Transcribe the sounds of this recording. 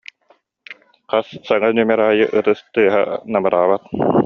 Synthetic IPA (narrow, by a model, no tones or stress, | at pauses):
qassaŋanymɛɾaːjɯʔɯt̪ɯst̪ɯːɦa̰namɯɾaːbat̪